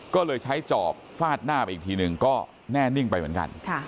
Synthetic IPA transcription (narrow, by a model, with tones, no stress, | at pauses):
kɔː˥˩lɤː˧jt͡ɕʰa˦˥jt͡ɕɔ̰ː˨˩p̚faː˥˩t̪̚naː˥˩pa˧ʔiː˨˩k̚t̪ʰiː˧nɯ˨˩ŋkɔː˥˩ | nɛː˥˩ni˥˩ŋpa˧jmɯ˩˦nka̰˧nkʰa˥˩